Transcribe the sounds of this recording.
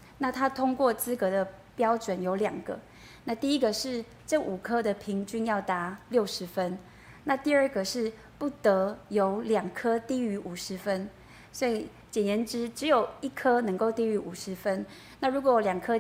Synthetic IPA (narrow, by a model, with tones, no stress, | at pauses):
na˥˩t̪ʰa˥t̪ʰʊ˥ŋkwɔ˥˩t͡sɹ̩˥kɤ˧˥d̪ə˧pjɑ˥ʊʈ͡ʂwə˨˦njo˧˥ʊljɑ˨˩ŋɡ̥ə̰˦ | na˥˧t̪i˥˩i˦˥ɡə˨ʂɻ̩˥˧ | ʈ͡ʂɤ˥˩ʔu˨˩kʰɤ˥d̪ə˨pʰi˧˥ŋt͡ɕy˥njɑ˥˩ʊt̪a˧˥ljo˥˩ʊʂɻ̩˧˥fə˦n | na˥˧t̪i˥˧ə˞˥˩ɡə˩ʂɻ̩˥˧ | pu˥˩t̪ə˧˥jo˧˥ʊljaɑ˨˩ŋkʰɤ˥t̪i˥˩y˧˥ʔu˨˩ʂɻ̩˧˥fə˦n | swɔ˧˥i˨˩ | t͡ɕjɛ˨˩njɛ˧˥nʈ͡ʂɻ̩˥ʈ͡ʂɻ̩˧˦jo˨˩ʊi˥˩kʰə˥nə˧˥ŋko˥˧ʊt̪i˥˩y˧˥ʔu˨˩ʂɻ̩˧˥fə˥n | na˥˩ɻu˧˥kwɔ˧˦˨ljɑ˨˩ŋkʰɤ˦